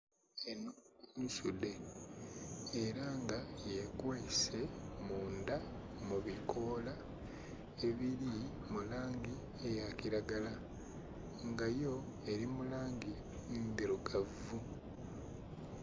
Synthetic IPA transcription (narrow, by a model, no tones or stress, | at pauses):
enounsude̞ | eɾaŋɡajekweːse̞muːnda | muβikʰo̞la | e̞βiɾi | mulaːŋɡi | e̞jaciɾaɡala | ŋɡajo̞ | e̞ɾimulaːŋɡi | ndiɾuɡav | u